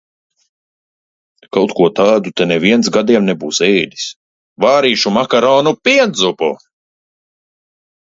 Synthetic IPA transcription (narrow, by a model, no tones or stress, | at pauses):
kawt̪kuɔt̪aːd̪ut̪ɛnɛviɛnt̪s̬ɡad̪iɛmnɛbuːsɛjd̪ʲi̥s | vaːɾiːʃumakaɾɔːnupʲiɛd̪zupṵ